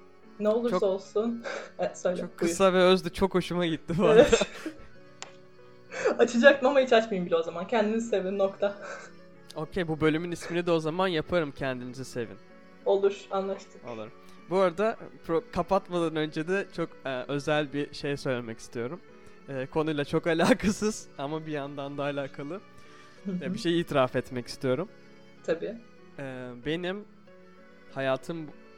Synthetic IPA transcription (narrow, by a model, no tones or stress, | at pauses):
nɛolˠuɾt͡ʃosolˠsunɛsøjlt͡ʃʲɛokkʰːɯsavɛøzd̪ɛt͡ʃʰo̞kho̞ʃumaɟit̪ʰːibuaɛd̪a | at͡ʃʰɯd͡ʒak̪̚ɯmamait͡ʃat͡ʃmɯjɯmbilʲozamancʰɛnd̪inizise̞vinːokt̪ʰa | o̞ːcʰejbubø̞lʲymynisminid̪ɛo̞zamanjapʰaɾɯmcʰɛnd̪inizise̞vḭn | o̞lˠuɾ̥anlˠaʃt̪ʰɯ̥o̰lˠa̰ɾɯm | buaɾad̪apʰɾokʰapʰat̪mad̪anø̞nd͡ʒed̪ɛt͡ʃʰo̞kɛːʔø̞zælʲbiʃe̞jsø̞jlʲemɛci̥st̪ʰijo̞ɾum | ɛːkʰo̞nujlˠat͡ʃʰo̞kalʲaːkʰasɯz̥amabijand̪and̪aːlʲaːkʰalˠɯ | ɛbiʃe̞jiːt̪ʰiɾafɛt̪mɛci̥st̪ʰijo̞ɾum | t̪ʰabiː | ɛːbe̞nim | hajaːt̪ʰɯm